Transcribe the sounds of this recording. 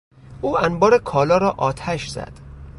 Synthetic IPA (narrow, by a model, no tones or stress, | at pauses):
ʔuːænbɒːɾekʰɒːlɒːɾɒːʔɒːt̪ʰæʃzæ̰d̪̥